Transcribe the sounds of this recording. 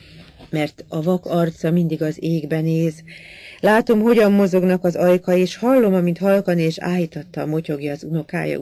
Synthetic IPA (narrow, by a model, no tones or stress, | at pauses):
mɛrt̪ɒvɒkɒrt̪sɒmind̪iɡɒzeːɡbɛneːzlaːt̪o̞mɦo̞ɟɒmːo̞zo̞ɡnɒkɒzɒjkɒeːʃhɒlːo̞mɒmint̪hɒlkɒneːʃa̰ːjit̪ɒt̪ːɒːmo̞co̞ɡjɒːzuno̞ka̰ːjɒ̰